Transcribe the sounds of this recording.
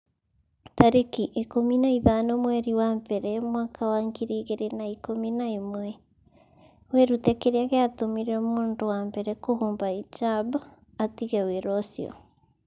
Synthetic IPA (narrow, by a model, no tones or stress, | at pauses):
taɾekiʔekominaiðanɔmwɛɾiwambɛɾɛmwaːkʰawaːŋɡiɾiːɣeɾenaikominaimwɛ | wɛɾutɛkeɾeaɣeatomiɾɔmoːndowambɛɾɛkoɦuːmbait͡ʃab | atiɣɛweɾɔsiɔ̰